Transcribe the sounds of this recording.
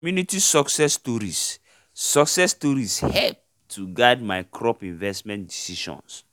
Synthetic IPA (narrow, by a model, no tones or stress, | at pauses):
mjunitisɔksɛstɔɾisː | ɔksɛstɔɾishɛlp̚ | tʰuɡaɪdmaɪkʰɹɔpĩnvɛstmɛ̃ndisiʃɔ̰̃ns